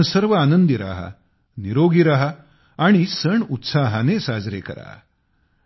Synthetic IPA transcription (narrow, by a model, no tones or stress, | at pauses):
səɾʋəanənd̪iɾa̰ɦa̰ | niɾoɡiɾaɦa | aɽ̃isəɳut̪saɦanesad͡zɾḛkə̰ɾa̰